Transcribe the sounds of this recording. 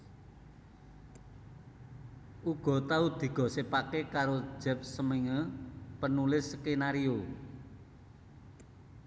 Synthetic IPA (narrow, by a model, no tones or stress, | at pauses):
ʔuɡ̥ɔ̤t̪aud̪̥i̤ɡ̥ɔ̤sepakekaɾo̥d͡ʒ̥ɛp̚səmeŋəpənulɪskenaɾio